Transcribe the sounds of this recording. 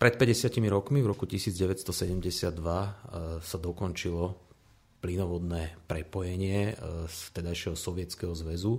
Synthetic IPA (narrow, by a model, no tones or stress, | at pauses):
pɾɛt̪̚pɛɟɛsɪacimiɾɔkmivɾɔkucisiːd͡zɟɛʋɛtst̪ɔsɛɟɛmɟɛsɪad̪ːʋasad̪ɔkɔnt͡ʃilɔ | plinɔʋɔd̪nɛːpɾɛpɔjɛɲɪɛst̪ɛd̪ajʃɪɛɦɔsɔʋɪɛtt͡skɛɦɔzʋɛzu